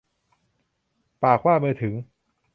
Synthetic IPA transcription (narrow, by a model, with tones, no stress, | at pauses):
paː˨˩k̚ʰwaː˥˩mɯː˧t̪ʰɯ˩˦ŋ